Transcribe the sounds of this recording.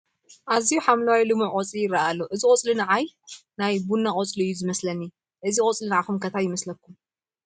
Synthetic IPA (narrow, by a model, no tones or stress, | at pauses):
ʔazijuħamlawajlɨmuʕʔʼot͡sʼijɪrːaʔalːoʔɨzikʼot͡sʼlɨnaʕajnajbunːaχʼot͡sʼliɨjːuzɨmɐslɐnːi | ʔɨzikʼot͡sʼlɨnaʕakumkʰɐt̪ʰajɪmɐslɐkʰːum